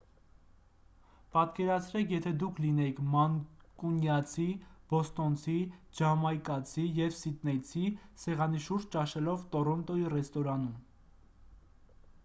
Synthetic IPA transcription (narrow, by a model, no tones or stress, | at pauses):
pɑt̪kɛɾɑt͡sʰɾɛkʰjɛt̪ʰɛd̪ukʰlinɛkʰmɑŋkunjɑt͡sʰib̥ɔst̪ɔnt͡sʰid͡ʒɑmɑjkɑt͡sʰijɛvsit̪nɛt͡sʰisɛʁɑniʃuɾd͡ʒt͡ʃɑʃɛlɔvt̪ɔɾɔnt̪ɔirɛst̪ɔɾɑnum